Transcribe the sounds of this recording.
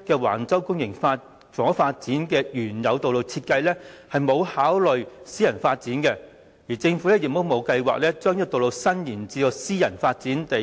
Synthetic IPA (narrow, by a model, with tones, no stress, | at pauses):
kɛː˧wa̰ː˨˩nt͡sɐ˥wkʊ˥ŋjɪ˨˩ŋfaː˧ | t͡sɔː˨˥ŋfaː˧t̚t͡siː˨˥nkɛː˧jyː˨˩njɐ˨˧wt̪o˨wlo˨˧wt͡sʰiː˧t̚kɐ˧jlɛ˥hɐ˨jmo˨˧whaː˨˥wlɵ˨ɥsiː˥jɐ˨˩nfaː˧t̚t͡siː˨˥nkɛ˧ | jiː˨˩t͡sɪ˧ŋfu˨˥lɛː˥jɪ˨k̚mo˥wmo˨˧wkɐ˧jwa̰ː˨k̚lɛː˥t͡ʃœː˥ŋj̚t̪o˨wlo˨˧wsɐ˥njiː˨˩nt͡siː˧t̪ɔ˧siː˥jɐ˨˩nfaː˧t̚t͡siː˨˥nt̪e˨